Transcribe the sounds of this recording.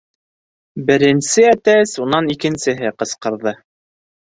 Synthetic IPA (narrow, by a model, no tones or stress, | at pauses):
bɘ̆ɾɘ̆nsɘæt̪æsunɑnikɘ̆nsɘ̆ɦɘqɤ̆sqɤ̆ɾðɤ